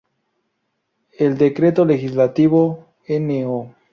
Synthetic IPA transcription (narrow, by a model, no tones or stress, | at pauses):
eld̪ekɾet̪olexizlat̪iβo | eneo